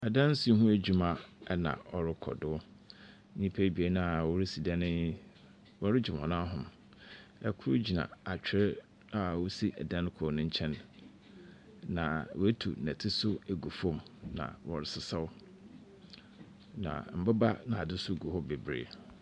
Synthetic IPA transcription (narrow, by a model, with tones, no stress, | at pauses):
a˨dã˦n˦si˨˦ɦũ˦æ˦d͡ʑᶣu˨mã˨ɛ˦nã̰˨ɔ˨ɾɪ˦kʰɔ̰˨dʊ˦ | ɲĩ˦pʰæ˦bi˨e˦nã˦a˨wɔ˦ɾɪ˦si˨dɛ˦nɪ̃˦ | wɔ˦ɾɪ˦d͡ʑᶣɪ˨m˨ɔ̰̃˨nã˦ɦʊ̃˨m | ɛ˨kʰʊ˦ɾʊ˦d͡ʑi˨nã̰˨a˨t͡ɕᶣɪ˨ɾɪ˦ | a˨wo˦si˦ʔɛ̰˨dã˦n˦kʰʊ˨nʊ̃˦ɲ̩˦t͡ɕʰɛ̃˦n | ã˨wæ˦tʰṵ˨næ̃˨tʰɪ˦sʊ˦æ˨ɡu˨fɔ̃˦˨mnã̰˨wɔ̰˨ɾɪ˦sɪ˦sa˦w | nã̰˨m̩˨bɪ˦ba˦nã˨a˨dʊ˦sʊ˦˨ɡu˨hɔ˦be˨bɾḛː˨